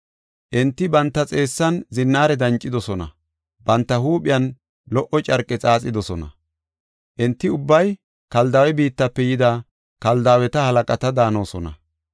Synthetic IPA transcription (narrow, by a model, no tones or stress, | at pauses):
ʔɪnt̪ːɪbɐnt̪ːɐt͡sʼe̞ːsːɐnzɪnːaːɾɛd̪ɐnt͡ʃʼːɪd̪ɔsɔnɐ̰ | bɐnt̪ːɐhuːpʼɪjɐn | lɔʔɔt͡ʃʼɐɾkʼːɛt͡sʼaːt͡sʼɪd̪ɔsɔnɐ̰ | ʔɪnt̪ːɪʊbːɐj | kɐld̪ɐːwɛbiːt̪ːɐpːɛjɪd̪a | kɐld̪aːwɛt̪ɐhɐlɐkʼɐt̪ɐd̪aːno̞ːsɔnɐ̰